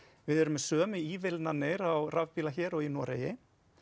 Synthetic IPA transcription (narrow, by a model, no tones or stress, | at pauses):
vɪðɛɾʏmːɛsœːmɪiːvɪlnanɪɾawravpiːlaçɛːɾɔɣinɔːɾeːjɪ